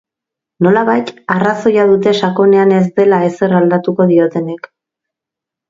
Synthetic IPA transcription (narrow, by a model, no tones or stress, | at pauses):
no̞laβajt̪araso̞jað̞ut̪e̞ʃako̞ne̞ane̞zd̪e̞lae̞se̞rald̪at̪uko̞ðio̞t̪e̞nek